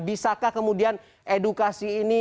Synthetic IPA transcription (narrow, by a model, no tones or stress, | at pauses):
bisakakəmudian | ʔedukasiːni